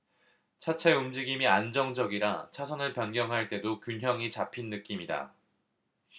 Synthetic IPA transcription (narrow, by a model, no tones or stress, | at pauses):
t͡ɕʰat͡ɕʰe̞umd͡ʑiɡimiand͡ʑʌŋd͡ʑʌɡiɾat͡ɕʰasʰʌnɯɭpjʌnɡjʌŋɦaɭt͈e̞dokjunɦjʌŋit͡ɕapʰinːɯk͈imida̰